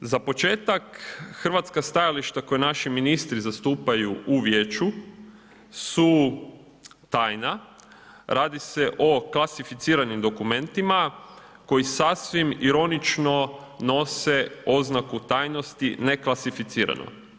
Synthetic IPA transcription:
zapo̞t͡ʃe̞ːt̪akxrʋat̪skast̪ajaliʃt̪ako̞jenaʃiminist̪ɾizast̪uːpajuʔuʋje̞ːt͡ʃu | su | t̪aːjna | ɾaːd̪ise̞ʔo̞klˠasifit̪siːɾanimd̪o̞kume̞nt̪ima | ko̞jisasʋimiɾo̞nit͡ʃno̞ | no̞se̞o̞znakut̪aːjno̞st̪ine̞klˠasifit̪siːɾa̰no̰

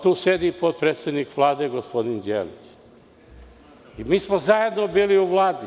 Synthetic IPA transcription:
t̪uːsed̪ipot̪̚pɾet̪sed̪nikʋlˠaːd̪eɡospod̪ind̪jḛːlḭt͡ʃ | imiːsmozaje̞d̪nobiːliuʋlˠaːd̪i

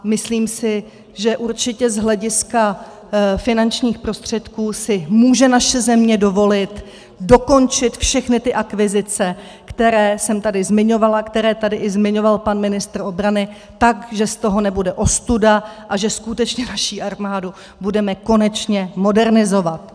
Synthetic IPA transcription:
mɪsliːmsɪ | ʒɛʔuɾt͡ʃɪcɛzɦlɛɟɪska | fɪnant͡ʃɲiːxpɾo̞st̪r̝̥ɛt̪kuːsɪmuːʒɛnaʃɛzɛmɲɛdo̞vo̞lɪt̪ | do̞ko̞nt͡ʃɪt̪fʃɛxnɪt̪ɪʔakvɪzɪt͡sɛ | kt̪ɛɾɛːsɛmt̪adɪzmɪɲo̞valakt̪ɛɾɛːt̪adɪʔɪzmɪɲo̞valpanmɪnɪst̪ɾo̞bɾanɪ | t̪akʒɛst̪o̞ɦo̞nɛbudɛʔo̞st̪udaʔaʒɛskut̪ɛt͡ʃɲɛnaʃiʔaɾmaːdu | budɛmɛko̞nɛt͡ʃɲɛmo̞dɛɾnɪzo̞vat̪

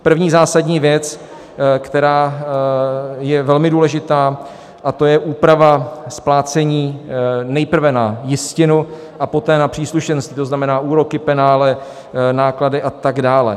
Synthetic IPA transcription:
pr̩vɲiːzaːsadɲiːvjɛt͡s | kt̪ɛɾaː | jɛvɛlmɪduːlɛʒɪt̪aː | ʔat̪o̞jɛʔuːpɾavasplaːt͡sɛɲiːnɛjpr̩vɛnajɪscɪnu | ʔapo̞t̪ɛːnapr̝̥iːsluʃɛnst̪it̪oznamɛnaːʔuːɾo̞kɪpɛnaːlɛ | naːkladɪʔat̪aɡdaːlɛ̰

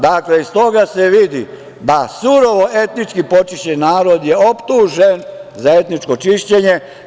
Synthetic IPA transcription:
d̪akleist̪o̞ɡaseʋid̪ḭ | d̪asuɾo̞ʋo̞ʔe̞t̪nit͡ʃkipo̞t͡ʃiʃt͡ɕenaːɾod̪jeopt̪uːʒenzae̞t̪nit͡ʃko̞t͡ʃiʃt͡ɕeɲe̞

